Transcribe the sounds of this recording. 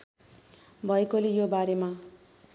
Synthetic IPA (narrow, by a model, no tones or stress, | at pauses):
bʱʌekolejobaɾema